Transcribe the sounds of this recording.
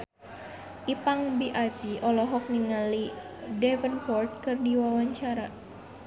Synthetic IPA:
ʔipaŋbiʔajpiʔɔlɔɦɔk̚niŋali | dɛvənpɔrt̪̚kɨrdiwawaɲt͡ʃaɾa

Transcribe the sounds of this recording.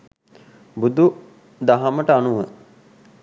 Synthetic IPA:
bud̪u | d̪aɦaməʈəanuʋə

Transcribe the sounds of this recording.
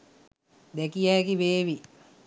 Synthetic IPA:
d̪ɛkijæːkiʋeːʋi

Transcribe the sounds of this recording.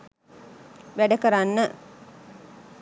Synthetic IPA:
ʋæɖəkəɾanːə

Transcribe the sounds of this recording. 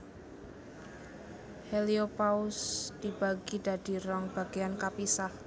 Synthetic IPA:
heliopaʊsd̪̥i̤b̥a̤ɡida̤d̥i̤ɾɔŋb̥a̤ɡ̥iankapisah

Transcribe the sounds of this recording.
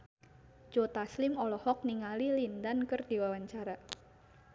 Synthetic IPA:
d͡ʒ̥ot̪aslɪmɔlɔhɔk̚niŋalilindankɨrdiwawaɲt͡ʃaɾa

